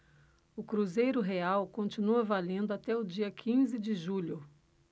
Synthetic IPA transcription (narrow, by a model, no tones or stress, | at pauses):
ʊkɾuzejɾʊɦeawkõnt͡ʃinuɐvalẽnd̪ʊat̪ɛʊd͡ʒiɐkʰĩzɪd͡ʒɪʒuʎʊ